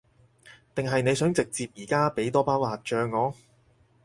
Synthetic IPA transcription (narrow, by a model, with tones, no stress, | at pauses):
t̪ɪ˨ŋɦɐ˨jne˨˧jsœː˨˥ŋt͡sɪ˨k̚t͡siː˧p̚jiː˨˩kaː˥pe˨˥jt̪ɔː˥paː˥wlaː˨t̚t͡ʃœː˨˧ŋːɔː˨˧